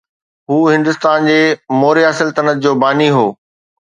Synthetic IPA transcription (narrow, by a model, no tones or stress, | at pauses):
ɦuːɦɪ̃nd̪ʊst̪aːnd͡ʑeːmoːɾiaːsɪlt̪ɐnət̪̚ʰd͡ʑoːbaːniɦoː